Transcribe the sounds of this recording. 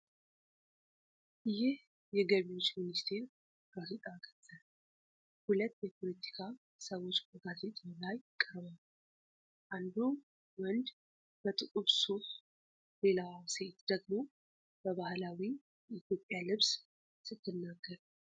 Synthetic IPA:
ʔɨjɪh | jɛɡəβio̞t͡ʃːminist̪ʰe̞ɾ | ɡ̥azet̪ʼaɡʰə̥t̪ʼːə | hulət̪ːjɛpʰo̞lət̪ʰi̥kʰa | səwo̞t͡ʃːbəɡazet̪ʼlajkʼːəɾβəl | ʔand̪u | wɔnd̪ | b̥ət̪ʼɨkʼuβsu | le̞lase̞t̪d̪əɡmo̞ | b̥əβahlawi | ʔit̪ʰjo̞pʼːjalɨβs | sɨt̪ʰːɨnːaɡːəɾ

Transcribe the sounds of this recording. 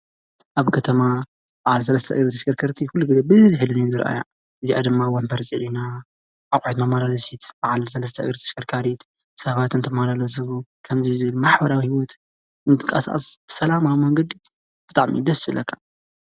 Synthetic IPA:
ʔaβkʰɐt̪ʰɐma | b̥aʕals̬ɐlɐst̪ʰɐʔɨɡɾɨt̪ʰɐʃkɐɾkʰɐɾt̪ʰixulːuɡɨzɐbɨziħilɨninzɨɾʔa̰ja̰ | ʔɨziʔa̰d̪ɨmːawɔnfɐɾt͡sʼiʕina | ʔakʼʕit̪namalalɐsit̪b̥aʕalsɐlɐs̬t̪ʰɐʔɨ̰ɡɾɨt̪ʰɐ̥ʃkʰɐɾkʰaɾit̪ | sɐβat̪ɨnt̪ʰɐmalalɐs̬ɨβukʰɐmzizɨβɨlmaħbɐɾawihiwɔt̪ | ʔɨnt̪ʰɨkʼa̰sa̰ʔʼɐ̰sb̥ɨsɐlamawimɐŋɡɐd̪i | b̥ɨt̪ʼaʕmḭd̪ɐsɨlɐkʰːḁ

